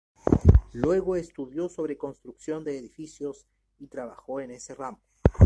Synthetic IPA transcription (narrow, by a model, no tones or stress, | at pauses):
lwe̞ɣo̞e̞st̪uðjo̞so̞βɾe̞ko̞nst̪ɾuksjo̞nd̪e̞ːðifisjo̞s | it̪ɾaβa̰xo̞e̞ne̞se̞rambo